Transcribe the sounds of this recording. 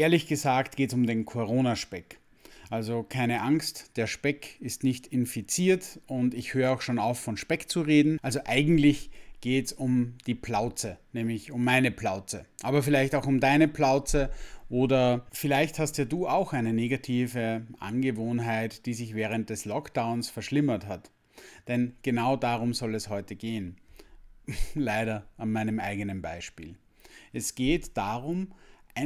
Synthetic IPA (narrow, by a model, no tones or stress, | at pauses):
ʔeːɐlɪçɡ̥əzaːktɡ̥eːtsʊmdeːnkʰoʁoːnaʃpɛk | ʔalzokʰaɪnəʔaŋstd̥eːɐʃpɛkɪstnɪçtɪnfit͡siːɐtʊntɪçhøːʁaʊxʃoːnaʊffɔnʃpɛkt͡suʁeːdn̩ʔalzoʔaɪɡŋ̩tlɪçɡ̥eːtsʊmd̥iːpl̥aʊt͡sənɛːmlɪçʊmːaɪnəplaʊt͡səʔaːbɐfɪlaɪçtaʊxʊmdaɪnəplaʊt͡səʔoːdɐfɪlaɪçthastjaːduːʔaʊxʔaɪnəneːɡatʰiːvəʔa̰nɡəvoːnɦaɪtd̥iːzɪçvɛːʁ̞ənt̚d̥ɛslɔkd̥aʊ̃nsfɛɐʃlɪmɐthat | d̥ɛnɡ̥ənaʊdaːʁʊmzɔlɛshɔʏtəɡeːən | laɪɾɐanmaɪnəmʔaɪɡənənbaɪʃpḭːl | ʔɛsɡ̥eːtd̥aːʁʊmʔaɪ